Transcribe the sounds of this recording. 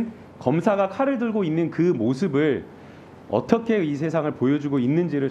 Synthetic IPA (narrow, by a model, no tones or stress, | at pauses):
n | kʌmsʰaɡakʰaɾɯɭdɯɭɡoinːɯnkɯmos̬ʰɯbɯɭ | ʌ̰t͈ʌkʰe̞is̬ʰe̞s̬ʰaŋɯɭpojʌd͡ʑuɡoinːɯnd͡ʑiɾɯɭ